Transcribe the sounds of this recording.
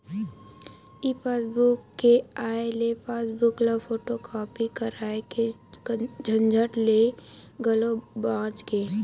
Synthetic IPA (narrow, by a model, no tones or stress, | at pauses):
ipasbukːeaːelepaːsbʊklapʰoːʈokʰɔːpikəɾaːeke | d͡ʒʱə̃nd͡ʒʱəʈleɡəlobãːt͡ʃkeː